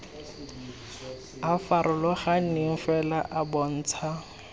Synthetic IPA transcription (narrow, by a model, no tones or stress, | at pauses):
afaɾʔʊlɔχaɪŋ̩fɛlaʔabɔn̩ːt͡sʰa